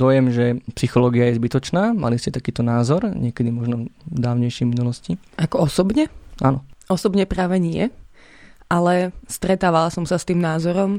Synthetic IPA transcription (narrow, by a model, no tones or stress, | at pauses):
d̪ɔjɛmʒɛpsixɔlɔːɡiajɛzbit̪ɔt͡ʃnaːma̰liscɛt̪akiːt̪ɔnaːzɔɾɲɪɛkɛd̪imɔʒnɔd̪aːʊɲɛjʃɛminulɔsci | ʔakɔɔsɔbɲɛʔanɔʔɔsɔbɲɛpɾaːʋɛɲɪɛ̰ | ʔalɛst̪ɾɛt̪aːʋalasɔmsast̪iːmnaːzɔɾɔm